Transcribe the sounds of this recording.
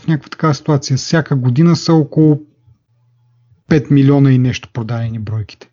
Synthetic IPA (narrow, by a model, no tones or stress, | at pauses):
fnʲakəkvət̪ɐ̥kavəsi̥t̪uat̪sijəsʲjakəɡod̪inəsəɔkolˠʊ | pɛt̪milʲiɔnɐinɛʃt̪o̥pɾod̪ad̪ɛnibɾɔjkʲi̥t̪ɛ̥